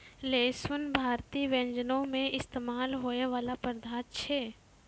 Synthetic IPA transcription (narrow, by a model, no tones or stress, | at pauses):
leːsʋənbʱaːɾt̪iʋɛ̃ɲd͡ʒənõmẽʔɪst̪eːmaːlɦoːeʋaːlapəɾd̪ʱaːt̪t͡ʃʰeː